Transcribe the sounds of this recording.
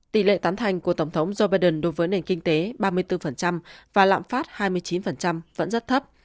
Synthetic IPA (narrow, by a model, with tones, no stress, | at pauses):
t̪ḭ˧˩lḛ˧˨t̪aː˨˦nt̪ʰa˨˩jŋ̟ku˧˩ət̪ə˧˩wŋ͡mt̪ʰə˨˦wŋ͡mzo˧ɓaː˧jɗə˨˧˩nɗo˨˦jvəː˨˦jne˨˩nkï˧ŋ̟t̪e˨˦ɓaː˧mɨ˧əjt̪ɨ˧fə˨˩nt͡ɕa˧mvaː˨˩la̰ː˧˨mfaː˦˥t̚haː˧jmɨ˧əjt͡ɕi˨˦nfə˨˩nt͡ɕa˧mvə̰˧˥nzə˦˥t̚t̪ʰə˦˥p̚